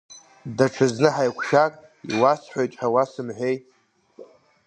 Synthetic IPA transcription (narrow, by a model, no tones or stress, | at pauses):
daʈ͡ʂʰɨznɨħajkʷʰʃakʼ | ḭwasħʷojtʼħawasɨmħʷᶣejtʼ